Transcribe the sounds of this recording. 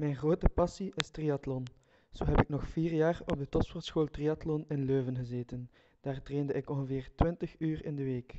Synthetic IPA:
mɛjnɣroːtəpɑsiʔɪstrijɑtlɔn | z̥oːɦɛpɪknɔxfiːrjaːrɔb̚dətɔtsfɔrtsxoːlˠtriɑtlɔnɪnløːvənɣəzeːtən | d̥aːrtreːndəʔɪkɔnɣəveːrtʋɪntəxyːrɪ̰ndəʋeːk

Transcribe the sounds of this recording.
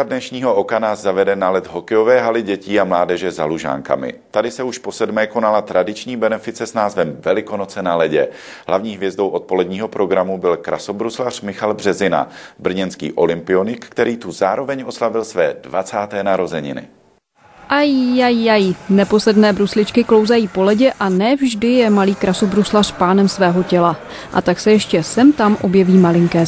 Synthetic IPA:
adnɛʃɲiːɦo̞ʔo̞kanaːsːavɛdɛnalɛt̪ɦo̞kɛjo̞vɛːɦalɪɟɛciːamlaːdɛʒɛzaluʒa̰ːŋka̰mɪ̰t̪adɪsɛuʃpo̞sɛdmɛːko̞nalat̪ɾʔadɪt͡ʃɲiːbɛnɛfɪt͡sɛsnaːzvɛmvɛlɪko̞no̞t͡sɛnalɛɟɛ | ɦlavɲiːɦvjɛzdo̞wʔo̞t̪̚po̞lɛdɲiːɦo̞pɾo̞ɡɾamubɪlkɾʔaso̞bɾuslar̝̥mɪxalbr̝ɛzɪna̰br̩ɲɛnskḭːʔo̞lɪmpɪo̞nɪkkt̪ɛɾiːt̪uzaːɾo̞vɛɲo̞slavɪlsvɛːdvat͡saːt̪ɛːnaɾo̞zɛɲɪ̰nɪ̰ | ʔajːajːajnɛpo̞slɛdnɛːbɾuslɪt͡ʃkɪklo̞wzajiːpo̞lɛɟɛʔanɛvʒdɪjɛmaliːkɾasobɾuslar̝̥paːnɛmsvɛːɦo̞cɛla | ʔa̰t̪aksɛjɛʃcɛsɛmt̪amʔo̞bjɛviːmalɪŋkɛː

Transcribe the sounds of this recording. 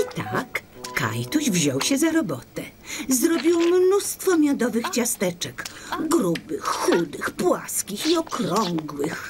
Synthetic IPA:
it̪akka̰jt̪uʑvʑɔwɕɛzaɾɔbɔt̪ɛzɾɔbʲiwmnust̪fɔmʲjɔd̪ɔvɘxt͡ɕast̪ɛt͡ʂɛkɡɾubɘxːud̪ɘxpwaskʲixiɔkɾɔŋɡwɘx

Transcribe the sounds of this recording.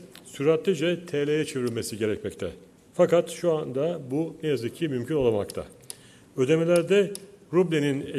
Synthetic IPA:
syɾat̪lʲˠid͡ʒɛt̪ʰɛlʲejɛt͡ʃʰeviɾilʲmesiɟe̞ɾɛcmɛct̪ʰɛ | fakat̪ʃuand̪abunejazɯkʰcʰːimymcʰyno̞lˠama̰kt̪ʰa̰ | ø̞d̪e̞melʲæɾd̪ɛɾublʲinine

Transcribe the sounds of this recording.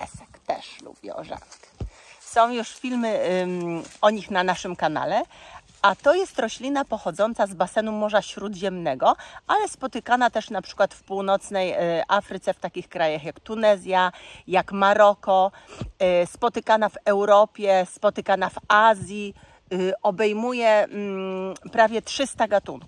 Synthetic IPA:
ɛsɛkt̪ɛ̰ʂlṵbʲjɛ̰ɔ̰ʐa̰ksɔ̃w̃juʂfʲilmɘ | ɔɲixnanaʂɘmkana̰lɛ | at̪ɔjɛst̪ɾɔɕlʲinapɔxɔd̪zɔnt̪sazbasɛnumɔʐaɕɾud̪ʑɛmnɛɡɔʔalɛspɔt̪ɘkanat̪ɛʂnapʂɘ̥kwat̪fpuwnɔt̪snɛjʔafɾɘt̪sɛft̪akʲixkɾajaxjakt̪unɛzʲjajakmaɾɔkɔ | spɔt̪ɘkanavɛwɾɔpʲjɛspɔt̪ɘkanavazʲji | ɔbɛjmujɛ | pɾavʲjɛtʂɘst̪aɡat̪ṵnku̥

